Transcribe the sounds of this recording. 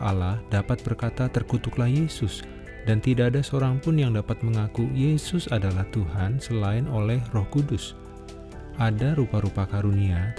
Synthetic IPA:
alahdapat̪̚bərkat̪at̪ərkut̪ʊklahjesʊs | dant̪idaːdasəoɾaŋpʊnjaŋdapat̪̚məŋakujesʊsadalaht̪uɦansəlaɪnolɛhrɔhkudʊs | ʔadaɾupaɾupakaɾunia

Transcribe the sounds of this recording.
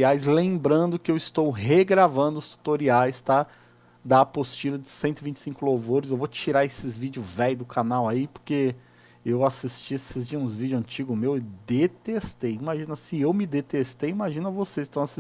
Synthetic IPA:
iajzlẽmbɾɐ̃nd̪ʊkɪewɪst̪owɦeɡɾavɐ̃nd̪ʊst̪u̥t̪oɾiajst̪a | d̪ɐpost͡ʃilɐd͡ʒɪsẽt̪ʊɪvĩt͡ʃɪ̥sĩkʊlowvoɾɪzewvot͡ʃiɾaesɪzvid͡ʒʊzvɛjʊd̪ʊkʰanawaipo̥ɾke | ewasist͡ʃiasɪz̬d͡ʒĩzvid͡ʒʊɐ̃nt͡ʃiɡʊmewɪd̪et̪est̪ejimaʒĩnɐsiɪ̃ewmɪd̪et̪est̪ejimaʒĩnɐvosezɪst̪ɐ̃w̃as

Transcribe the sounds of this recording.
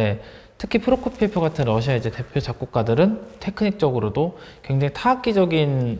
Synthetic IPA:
e | tʰɯ̥kʰipʰɯɾokʰopʰepʰjoɡatʰɯnɾʌɕ̬ʰiaid͡ʑe̞te̞pʰjot͡ɕak͈̚uk̚k͈adɯɾɯntʰe̞kʰɯɲik̚t͡ɕ͈ʌɡɯɾodokweŋd͡ʑaŋitʰaak͈̚id͡ʑʌɡin

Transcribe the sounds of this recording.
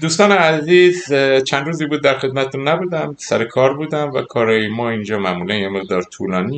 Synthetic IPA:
d̪uːst̪ɒːneæziːzt͡ʃʰænd̪ɾuːziːbuːd̪̚ːæɾxe̞d̪̚mæt̪ʰet̪ʰunːæbuːd̪æmsæɾekʰɒːɾbuːd̪æmvæ̰kʰɒːɾɒːjemɒːind͡ʒɒːmæmuːlænjeme̞ɣd̪ɒːɾt̪ʰuːlɒːniː

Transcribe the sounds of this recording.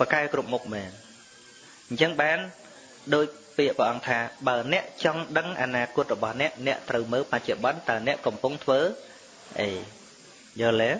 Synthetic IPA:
pəkaɛkrup̚muk̚mɛːn | ɲt͡ɕəŋɓaːn | ɗoːc̚piəʔpəʔɑŋt̪ʰaːɓaənɛ̆əʔt͡ɕɑŋɗəŋʔanaːkʊ̆ət̪̚rɔɓɑhnɛ̆əʔnɛ̆əʔt̪rəwməːlpac̚t͡ɕoɓɑnt̪aənɛ̆əʔkɑmpuŋt̪ʰʋəː | ʔəj | jəːlɛː

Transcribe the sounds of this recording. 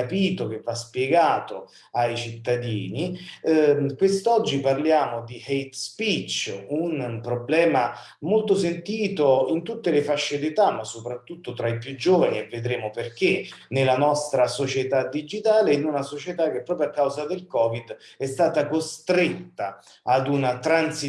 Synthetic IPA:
apiːt̪ok̟evːaspjeɡaːt̪o | ajt͡ʃit̪ːad̪iːni | kwest̪ɔd͡ʒːiparljaːmod̪ihejt̪spit͡ʃːunpɾoblɛːma | molt̪osent̪iːt̪oint̪ut̪ːelefaʃːed̪et̪amːasːopɾat̪ːut̪ːot̪ɾaipjud͡ʒːoːvanievːed̪ɾeːmoperk̟enelanɔst̪ɾasot͡ʃet̪ad̪id͡ʒit̪aːleinunasot͡ʃet̪ak̟ːepːɾɔːpɾjoakːawzad̪elkɔːvid̪ | ɛst̪aːt̪akost̪ɾet̪ːaː | d̪unat̪ɾansi

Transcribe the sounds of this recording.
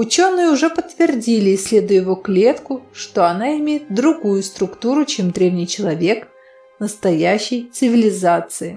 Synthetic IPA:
ʊt͡ɕo̞nːɨjəʊʐɛpət̪ːvʲɪrdʲilʲɪːsʲlʲe̞d̪ʊjʊjɪvoklʲe̞t̪kʊʂt̪o̞ɐnaɪmʲejɪt̪̚d̪ɾʊɡujʊst̪ɾʊkt̪uɾʊt͡ɕemd̪ɾʲe̞vnʲɪjt͡ɕɪlˠɐvʲe̞k | nəst̪ɐjæɕːɪjt̪sɨvʲɪlʲɪzat̪sɨɪ

